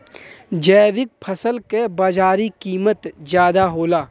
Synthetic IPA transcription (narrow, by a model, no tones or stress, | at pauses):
d͡ʒɛːʋɪk̚pʰəsəlkebaːd͡ʒaːɾikiːmət̪zjaːd̪aɦoːlaː